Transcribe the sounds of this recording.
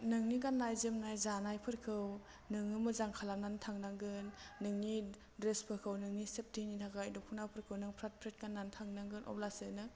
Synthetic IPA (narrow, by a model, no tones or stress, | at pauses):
nɯŋniɡanlajzɯmnajzanajpʰɯɾkʰɯw | nɯŋɯmɯzaŋkʰalamnantʰaŋnaŋɡɯnːɯŋni | dɾespʰɯɾkʰɯwnɯŋnisep̚dʰinitʰakajdɔpʰunawpʰɯɾkʰɯwnɯŋpʰɾat̚pʰɾet̚ɡanːantʰaŋnaŋɡɯnʔɔ̰plasɯnɯ